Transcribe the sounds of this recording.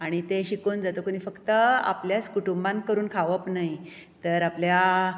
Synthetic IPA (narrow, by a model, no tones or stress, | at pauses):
aɽ̃it̪eɕikuːnd͡zat̪okuniːfəkt̪əa̰pljat͡skuʈumbãnkəɾuːnkʰaʋəpnaɦj | t̪əɾaplja